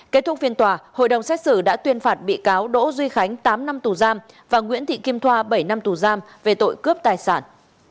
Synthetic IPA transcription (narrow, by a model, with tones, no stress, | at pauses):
ke˦˥t̪̚ʰʊ˦˥k̚fi˧ənt̪waː˨˩ho̰˧˨jɗə˨˩wŋ͡msɛ˦˥k̚sɨ˧˩ɗa̰ː˧˥t̪wi˧ənfaː˨˩t̚ɓḭ˧˨kaː˨˦wɗo̰˧˥zwi˧xa˨˦jŋ̟t̪aː˨˦mna˧mt̪u˨˩zaː˧m | vaː˨˩ŋwḭ˧˥ənt̪ʰḭ˧˨ki˧mt̪ʰwaː˧ɓə˧˩jna˧mt̪u˨˩zaː˧m | ve˨˩t̪o̰˧˨jkɨ˦˥əp̚t̪aː˨˩jsaː˧˩n